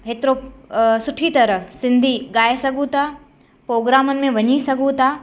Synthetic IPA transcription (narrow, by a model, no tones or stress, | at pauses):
ɦeːt̪ɪɾosʊʈʰit̪ɐɾəɦsɪ̃nd̪ʱiɠaːesɐɡʱũt̪ʰaː | pɾoːɡɾaːmənɪ̆mẽʋɐɲisɐɡʱũt̪ʰaː